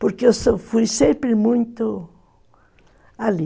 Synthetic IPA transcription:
poɾkeesofujsẽmpɾemũj̃t̪o | ali

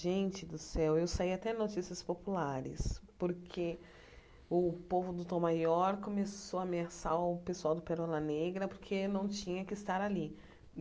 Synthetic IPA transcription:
ʒẽnt͡ʃɪd̪ʊsɛwewsaiat̪ɛ̃not͡ʃisiɐspopulaɾɪ̰spoɾkʰe | ʊpovʊd̪ʊt̪õmajɔɾkõmesoameasaʊpesuawd̪ʊpeɾɔlɐneɡɾɐpoɾkʰenɐ̃w̃t͡ʃĩɲɐkɪːst̪aɾali

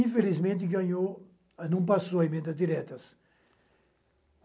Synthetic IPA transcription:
ĩfelizmẽnt̪̬ɪɡaɲo | ɐnɐ̃pasoɐemẽnd̪ɐzd̪iɾɛt̪ɐs

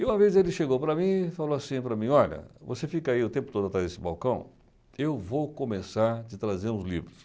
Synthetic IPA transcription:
ɪũmɐvezelɪʃeɡowpɾɐmĩfaloasĩpɾɐmĩɔʎɐ̰vo̰sefikaiʊt̪ẽpʊ̥t̪od̪ʊat̪ɾazesɪbawkɐ̃w̃ | ewvowkõmesaɾd͡ʒɪt̪ɾazeɾũzlḭbɾʊs

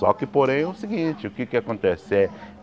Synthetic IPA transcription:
ɔ̰kɪpoɾẽj̃ʊsiɡĩt͡ʃɪʊkɪkɪakõnt̪eseɾ

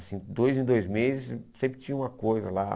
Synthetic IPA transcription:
sĩd̪ojzẽd̪ojzmezɪssẽmpɾɪt͡ʃĩɲɐũmɐkojzɐla

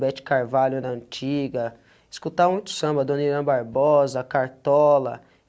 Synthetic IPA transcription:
bɛt͡ʃɪ̥kaɾvalʊd̪ɐɐ̃nt͡ʃiɡɐ | iskut̪amũj̃t̪ʊ̥sɐ̃mbɐd̪õniɾɐ̃baɾbɔzɐkaɾt̪ɔlɐ̰

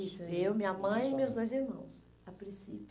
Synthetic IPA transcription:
isʊewmĩɐmɐ̃j̃ɪmewzd̪ojziɾmɐ̰̃w̃s | apɾĩsḭp

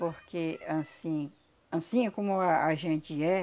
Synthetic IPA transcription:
poɾkeãsĩ | ãsĩkõmoaʒẽnt͡ʃiɛ

